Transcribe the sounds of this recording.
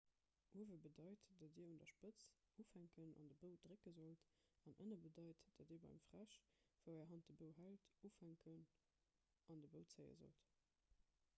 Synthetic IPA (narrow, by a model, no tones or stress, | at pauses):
ʔuəvəbədɑɪtd̥ɑtiːundɐʃpət͡s | uːfhæŋkʰənɑ̰ndəbəʊd̥ʁekəzolt | ɑnʔə̰nəbədɑɪtd̥ɑtiːɐbɑ̰ɪmfʁ̥æʃ | v̥aæːɐɦɑnt̚dəbəʊɦæltuːfhæŋkʰən | ʔɑndəbəʊt͡səɪə̰zo̰lt